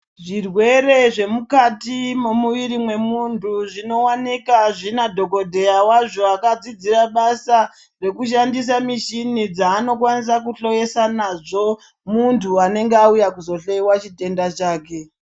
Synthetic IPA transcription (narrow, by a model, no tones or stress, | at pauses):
ʐirwe̞re̞ʐe̞mukatimo̞muʋiɾimwe̞muntʰuʐino̞wanikaʐinadʱo̞ko̞dʱe̞awaʐo̞akad͡zid͡ziraɓasa | re̞kuʃ̬andis̬amiʃinid͡zaːno̞k̬wanis̬akuɬo̞je̞sanaʐo̞ | muntʰuane̞ŋɡeaujakuzo̞ɬeiwat͡ʃite̞ndat͡ʃaːke̞